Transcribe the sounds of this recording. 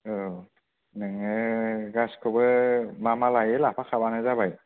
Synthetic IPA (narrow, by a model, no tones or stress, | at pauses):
ɯ | nɯŋɯɡaskʰɯbɯmamalajɯlapʰakʰabanazabaj